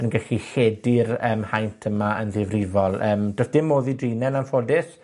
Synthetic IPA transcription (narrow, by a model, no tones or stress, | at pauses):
ənɡɛɬiɬeːdɪrəːmhajntʰəmaənðɪvrɪvɔlˠəːmdoθd̥ɪmːoːðidriːnɛnanfodɪs